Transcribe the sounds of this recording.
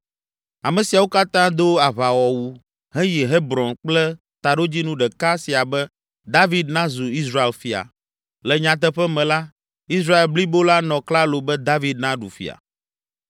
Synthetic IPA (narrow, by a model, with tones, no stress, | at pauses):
a˨mɛ̃˨si˨a˨wo˦ka˦t̪ã˦d̪o˦a˨βa˨wɔ˨wu˦ | ɦɛ˦ji˨ɦe˦bɾɔ̃˨nk͡plɛ˦ | t̪a˨ɖo˦d͡ʑi˦nũ˦ɖɛ˨ka˦si˨a˨bɛ˦ | d̪a˦vi˦d̪̚nã˦zu˨i˦sɾa˦e˨lfi˨a̰˨ | lɛ˨ɲã˨t̪̬ɛ˦ɸɛ˦mɛ̃˨la˦ | i˦sɾa˦e˨lbli˦bo˦la˦nɔ̃˨kla˦lo˨bɛ˦d̪a˦vi˦d̪̚nã˦ɖṵ˨fḭ˨a̰˨